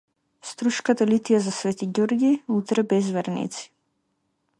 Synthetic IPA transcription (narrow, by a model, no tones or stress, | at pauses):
st̪ɾuʃkat̪alit̪ijazasvɛt̪iɟɔɾɡiut̪ɾɛbɛzvɛɾnḭt̪si̥